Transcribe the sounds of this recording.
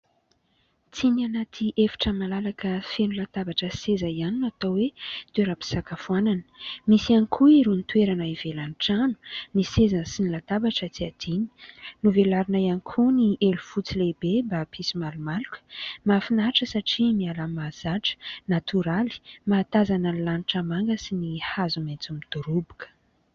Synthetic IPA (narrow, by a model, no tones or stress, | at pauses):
t͡sinianat̪ʰiʔefi̥ʈ͡ʂəmalalakəfenulat̪abaʈ͡ʂəsezaianinat̪awwet̪ueɾapi̥sakafuananə̥misianikʰuiɾunit̪weɾanaivelanʈ͡ʂanu̥nisezansinilat̪abaʈ͡ʂət͡siad̪̥ini̥nuvelaɾinajanikʰuniʔelufut͡silebebapʰisimalumalukʲə̥mafinaʈ͡ʂəsaʈ͡ʂimialamaz̥aʈ͡ʂə̥nat̪ʰuɾali̥maːt̪azanənilaniʈ͡ʂamaŋɡəsinihazumet͡sumid̪̥uɾubukə̥